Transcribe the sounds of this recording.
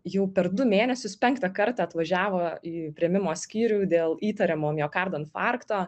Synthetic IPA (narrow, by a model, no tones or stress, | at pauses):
jɛʊpʲɛɾd̪ʊmʲeːnʲɛsʲʊspʲɛŋkt̪ɐkɐɾt̪ɐɐt̪ʋɐʒʲæːʋoːiːpʲɾʲiɛmʲɪmoːsʲkʲiːɾʲuːd̪ʲeːlˠiːt̪ɐɾʲɛmoːmjoːkɑɾd̪oːntfɑːɾkt̪oː